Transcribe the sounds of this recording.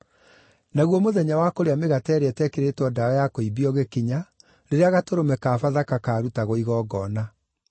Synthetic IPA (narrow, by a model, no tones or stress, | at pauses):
naɣwɔmoðɛɲawakoɾeameɣatɛːɾeɛtɛkeɾetwɔdaɔjakoibiɔɣekiɲa | ɾeɾeaɣatoɾomɛkaːfaðakakaːɾutaɣoiɣɔːɡɔna